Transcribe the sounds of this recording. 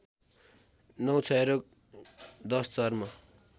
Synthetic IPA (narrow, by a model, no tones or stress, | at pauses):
nʌwt͡sʰʌeɾok̚ | d̪ʌst͡sʌrmʌ